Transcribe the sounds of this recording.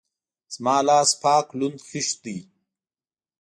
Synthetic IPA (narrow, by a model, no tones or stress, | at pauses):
zmaːlaːspʰaːklund̪xiʃd̪i